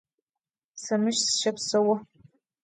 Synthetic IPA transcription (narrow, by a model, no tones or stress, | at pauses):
sɐmɨʃsʃɐpsɐwɐ